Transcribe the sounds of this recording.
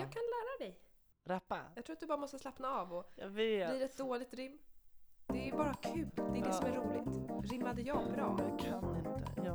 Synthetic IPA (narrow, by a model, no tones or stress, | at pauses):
jɑːɡkʰanlæːɾad̪ɛj | ɾapːajɑɡt̪ʰɾːat̪d̪ɵbɑːɾamɔst̪əslapnaɑːvɔveliːɾɛt̪̚d̪oːlɪɡ̚t̪ɾɪmːd̪ɛbɑːɾakʰʉ̟ːld̪ɛd̪ɛːsɔmæɾuːlɪɡt̪ɾɪmːad̪əjɑːɡbɾɑːkʰanːɪnt̪ə̰